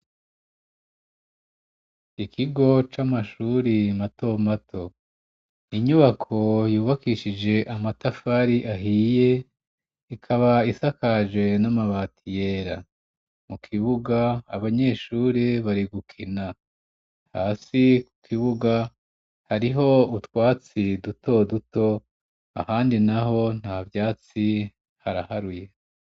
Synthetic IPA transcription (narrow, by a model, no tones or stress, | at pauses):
ikʰiɡo̞t͡ʃamaʃuːɾimato̞matʰo̞ | iɲuβakʰo̞juːβakiːʃid͡ʒe̞ʔamatafaɾiʔaɦije̞ | ikʰaβaisakaʒwe̞namaβaːtʰijeːɾa̰ | mukʰiβuɡaːβaɲe̞ːʃuːɾeβaɾiɡukʰina | ha̰ːsiku̥kʰiβuɡa | haɾiɦo̞utwaːt͡sidutʰo̞duto̞ | a̰haːndinaɦo̞n̥haːvjaːt͡si | haɾahaɾuje̞